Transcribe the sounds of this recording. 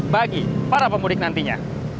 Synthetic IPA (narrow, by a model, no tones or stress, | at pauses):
baɡipaɾapəmulɪk̚nant̪iɲa̰